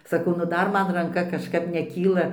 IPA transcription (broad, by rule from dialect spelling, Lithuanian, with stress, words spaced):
sɐˈkɐʊ nʊ ˈdɐr ˈmɐn rɐŋˈkɐ kɐʃˈkɐp nʲɛˈkʲiːlˠɐ